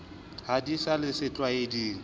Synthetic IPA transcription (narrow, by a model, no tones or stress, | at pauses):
hadisalɪsɪt͡ɬʼwaediːŋ̩